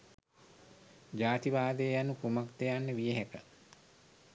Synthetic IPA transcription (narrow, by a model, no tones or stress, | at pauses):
d͡ʒaːt̪iʋaːd̪eːjanukumakt̪ejanːəʋijeɦekə